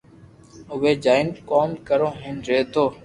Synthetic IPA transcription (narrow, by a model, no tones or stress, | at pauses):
ʊʋeːd͡ʒaːɪnkoːmkəɾõːɦenɾeːt̪oː